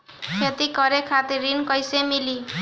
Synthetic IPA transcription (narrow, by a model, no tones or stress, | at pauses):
kʰet̪ikʌɾekʰat̪iɾinkʌjsemili